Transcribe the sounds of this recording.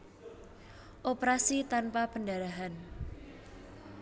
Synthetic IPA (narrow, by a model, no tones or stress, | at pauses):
ʔopɾasit̪anpapəndaɾaɦan